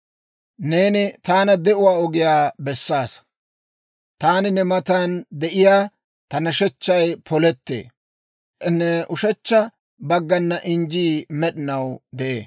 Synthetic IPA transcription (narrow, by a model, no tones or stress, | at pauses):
ne̞ːnɪt̪aːnɐd̪ɛʔʊwaːɔɡɪjaːbɛsːaːs | t̪aːnɪnɛmɐt̪and̪ɛʔɪjaː | t̪ɐnɐʃɛt͡ʃːɐjpʰɔlɛt̪ːḛː | nːɛʔʊʃɛt͡ʃːɐ | bɐɡːɐnːɐʔɪnd͡ʒiːmɛɗɪnɐwd̪ɛʔḛː